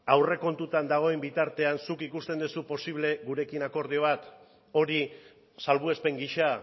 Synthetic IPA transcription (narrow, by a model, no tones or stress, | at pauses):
awre̞ko̞nt̪ut̪and̪aɣ̞o̞embit̪aɾt̪e̞ansukikust̪e̞nd̪usupo̞siβle̞ɣuɾe̞kinako̞ɾð̞io̞β̞at̪ | o̞ɾi | salβue̞spe̞ŋɡiʃa